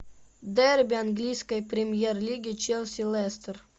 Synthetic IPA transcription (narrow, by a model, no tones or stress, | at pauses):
d̪ɛrbʲɪanɡlʲijskəjpɾʲɪmʲjerlʲiɡʲɪt͡ʃelʲˠsʲɪlˠɛst̪ər